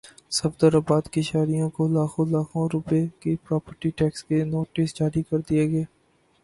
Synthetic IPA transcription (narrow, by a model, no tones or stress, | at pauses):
səfd̪əɾəbaːd̪kiʃaːɾijõkolaːkʰõlaːkʰõɾʊpekepɾɔːpəɾʈiʈɛːkskenoːʈɪsd͡ʒaːɾikɐɾd̪ieːɡeː